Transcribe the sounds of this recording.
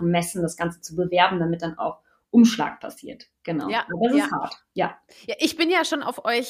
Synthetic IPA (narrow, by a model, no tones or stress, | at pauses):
nmɛsn̩dasɡ̥ant͡sə̥t͡subəvɛɐbm̩damɪt̚d̥ana̰ʊx | ʔʊmʃla̰ːk̚pʰa̰siːɐtɡ̥əna̰ʊadas̬ɪhaɐt | ja̰ː | jaːʔɪçb̥ɪnjaːʃoːna̰ʊfʔɔʏç